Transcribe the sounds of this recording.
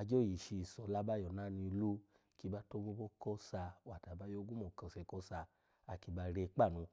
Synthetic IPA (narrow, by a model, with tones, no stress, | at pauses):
a˧d͡ʒo˦˨ji˨ʃi˧˨sɔ˨la˦ba˦jɔ˨na˦nĩ˧lu˦ | ki˧ba˦to˦mũ˦bo˦kɔ˦sa˧wa˨ta˨ba˦jo˦ɡũ˦mɔ˨kã˧˨sɛ˧kɔ˦sa˧ | a˧ki˧ba˧ɾe˧k͡pa˦˨nũ˧